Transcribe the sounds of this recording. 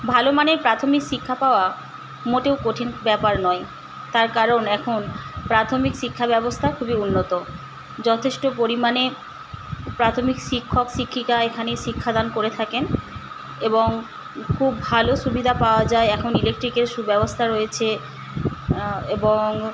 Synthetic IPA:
bʱalomaneɾpɾat̪ʰomikʃikʰːapaoa | moʈewkoʈʰinbɛpaɾnɔe | t̪aɾkaɾonɛkʰonpɾat̪ʰomikʃikʰːabɛbost̪ʰakʰubiunːot̪o | d͡ʑɔt̪ʰeʃʈopoɾimane | pɾat̪ʰomikʃikʰːokʃikʰːikaekʰaneʃikʰːad̪ankoɾet̪ʰaken | eboŋ | kʰubbʱaloʃubid̪ʱapaoad͡ʑaeɛkʰonilek̚ʈɾikeɾʃubɛbost̪ʰaɾoet͡ɕʰe | eboŋ

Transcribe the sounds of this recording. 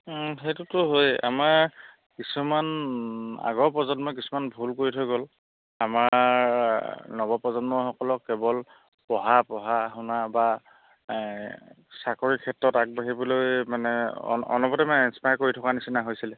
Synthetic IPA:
xejtutʊɦoja̰maɹ | kisuman | a̰ɡɔɹpɹɔzɔnmɔk̬isumanbʱulkoɹitʰɔɡɔl | ama | nɔbɔpɹɔzɔnmɔxɔkɔlɔkːɛbɔl | pɔɦapɔɦaɦʊnaba | sakoɹikʰɛtɹɔtak̚baɦibɔlojmanɛ̰ɔ̰nɔbɔtɛmanɛɛnspajkoɹitʰɔkanisinaɦojsilɛ

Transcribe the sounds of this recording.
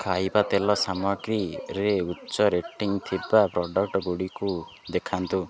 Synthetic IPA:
kʰajbat̪elɔsamɔɡɾiɾeutːt͡ʃɔɾeʈiŋt̪ʰibapɾɔɖɔk̚ʈɔɡoɽiku | d̪ekʰant̪u

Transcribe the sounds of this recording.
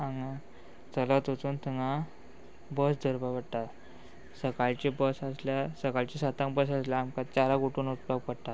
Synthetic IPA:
ãŋa | t͡səlat̪ot͡suːnt̪ʰiŋɡã | bəsd̪ʱəɾbaʋəɽʈ̪a | səkaɭt͡ɕibəsaslasəkaɭt͡ɕisat̪ãŋbəs̬asljaamkat͡ɕaɾaɡuʈuːnut͡spaɡpəɽt̪a

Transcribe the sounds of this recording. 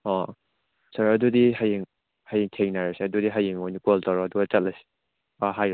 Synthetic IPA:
ɔ | sɐɾɐdudiɦajiŋ | hajiŋtʰeŋnaɾasiɐdudiɦajiŋojnikoltaɾɔɐduɡat͡ʃɐt̚lajsi̥ | aɦaj

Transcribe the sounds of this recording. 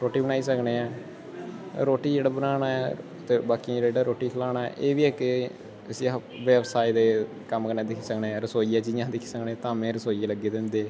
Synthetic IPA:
ɾoːʈiːbənaːiːsəkneːɛː | ɾoːʈiːd͡ʒeːɽaːbənaːnaːɛ | t̪eːbaːkid͡ʒeːɽaeːɽaːɾoːʈiːkʰəlaːnaːɛ̰ːʔeːʋiːɛːkɪ | əsiː | ʋɛːbsaːid̪eː | kəmkəɾneːd̪ɪkʰiːsəkneːɛːɾəsoːiːaːd͡ʒiːjãːd̪ɪkʰi̥ːsəkneːt̪ãːmẽːɾəsoːieləɡeːd̪ɪnd̪eː

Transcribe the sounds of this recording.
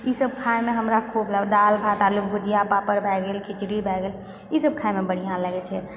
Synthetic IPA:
isəb̚kʰaemẽɦəmɾakʰublɛd̪albʱat̪alukɡud͡ʒijapapəɾbʱɛɡelkʰɪt͡ʃɽibʱɛɡelisəb̚kʰaemebəɽ̤ijãləɡɛt͡ʃʰɛ

